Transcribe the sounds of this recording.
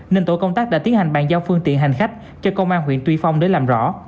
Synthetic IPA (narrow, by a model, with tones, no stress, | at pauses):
neː˧nt̪o̰˧˨jkə˧wŋ͡mt̪aː˦˥k̚ɗa̰ː˧˥i˨˦ənha˨˩ŋ̟ɓa̰ː˧˨˩ŋzaː˧wfɨ˧əŋt̪ḭ˧˨ənɦa˨˩jŋ̟xa˦˥k̟̚ | t͡ɕɔ˧kə˧wŋ͡mʔaː˧nɦwḭ˧˨ənt̪wi˧fa˧wŋ͡mɗe˨˦jlaː˨˩mzɔ̰˧˥